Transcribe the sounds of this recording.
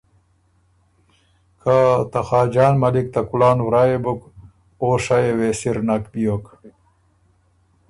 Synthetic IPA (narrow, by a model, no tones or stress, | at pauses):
kʰat̪ɐxaːd͡ʑaːnmɐlik̚t̪ɐkulaːnwɾaːebuk | oːʂajeweːsiɾnɐkpijok